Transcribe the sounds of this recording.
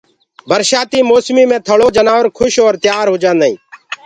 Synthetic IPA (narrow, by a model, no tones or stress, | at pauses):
bəɾʃaːt̪iːmoːsmiːmẽːt̪ʰəɭoːd͡ʒənaːʋəɾkʰʊʃoːɾt̪jaːɾɦoːd͡ʒãːnd̪aḭ̃ː